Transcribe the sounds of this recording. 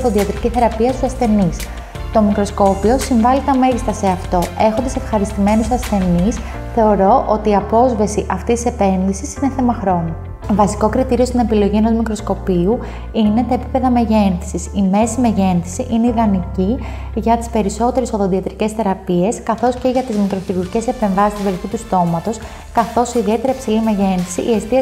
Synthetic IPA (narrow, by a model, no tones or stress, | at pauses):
ðoðiɐt̪ɾiciθe̞ɾɐpiɐst̪isɐsθe̞nis | t̪o̞mikɾo̞sko̞pio̞siɱvɐlit̪ɐme̞ʝist̪ɐse̞ɐft̪o̞e̞xo̞nd̪ɐse̞fxɐɾist̪ime̞nusɐsθe̞nis | θe̞o̞ɾo̞ʔo̞t̪iːɐpo̞zvɐsiʔɐft̪ist̪i̥se̞pe̞nðisisineθe̞mɐxɾo̞nu | vɐsi̥ko̞kɾit̪iɾio̞st̪ine̞pilo̞ʝie̞no̞zmikɾo̞sko̞piu | ine̞t̪ɐepipe̞ðɐme̞ʝe̞nθisisime̞sime̞ʝe̞nθi̥siʔineiðɐnici | ʝɐt̪i̥spe̞ɾiso̞t̪e̞ɾesoðoðiɐt̪ɾice̞sθe̞ɾɐpie̞skɐθo̞sceʝɐt̪izmikɾosiɾuice̞se̞pe̞ɱvɐsist̪iveɾiθit̪ust̪o̞mɐt̪o̞s | kɐθo̞siðie̞t̪eɾɐipsilimeʝe̞nθi̥sḭʔie̞st̪iɐ